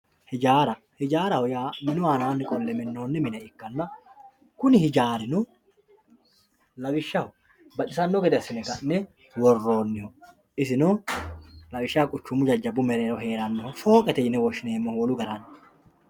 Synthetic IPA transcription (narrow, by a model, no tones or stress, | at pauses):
hɪd͡ʒaːɾɐ | hɪd͡ʒaːɾɐhɔjaːmɪnʊaːnaːnːɪkʼɔlːɛmɪnːoːnːɛmɪnɛɪkːɐnːɐ | kʊnɪhɪd͡ʒaːɾɪnɔ | lɐbɪʃːɐhɔ | bɐt͡ʃʼɪsɐnːɔɡɛd̪ɛɐsɪnɛɡɐnːɛ | wɔrːo̞ːnːɪhɔ | ɪsɪnɔ | lɐwɪʃːaːkʼʊt͡ʃːʊmʊd͡ʒɐd͡ʒːɐbʊmɛɾeːɾɔɦe̞ːɾɐnːɛhɔfo̞ːkʼɛt̪ɛɪnɛwɔʃɪne̞ːmːɔhɔlʊɡɐɾɐn